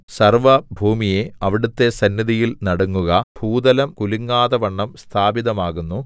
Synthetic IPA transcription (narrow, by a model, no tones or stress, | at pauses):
sɐrʋɐbʱuːmije̞ɐʋiɽut̪ːe̞sɐnːɐðijilnɐɽuŋːuɣɐbʱuːd̪ɐlɐmkuliŋːaːðɐʋɐɳːɐmst̪ʰaːbiðɐmaːɣunːu